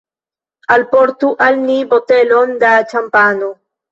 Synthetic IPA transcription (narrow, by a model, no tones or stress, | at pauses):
alpoɾt̪uʔalnibot̪elond̪at͡ʃampano